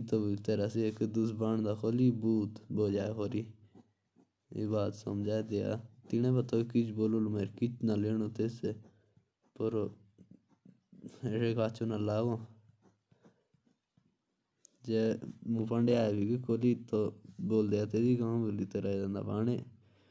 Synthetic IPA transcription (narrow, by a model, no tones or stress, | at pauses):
it̪obit̪eːɾaːsiekd̪ʊsbaːɳd̪aːkʰoːliːbuːt̪boːd͡ʒaːeɦoːɾiː | ḛːbaːt̪sə̰md͡ʒaːed̪ea̰ːt̪ɪnẽːbət̪oːkɪt͡ʃboːlolːmeːɾkɪt͡ʃnaːleːñoːt̪eːse | pəɾ | eseːkaːt͡ʃʰoːnaːlaːʋõː | d͡ʒeːmũːpəɳɖeːaːeːbiːkikʰoːliːt̪ːoːboːld̪eːaːt̪eːd̪iːkamːboliːt̪eːɾaːd͡ʒand̪a̰ːpaːɳeː